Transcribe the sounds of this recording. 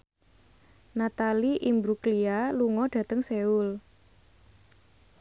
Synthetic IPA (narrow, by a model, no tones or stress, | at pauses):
nat̪aliʔimbɾuklialuŋɔɖ̥ä̤t̪əŋseul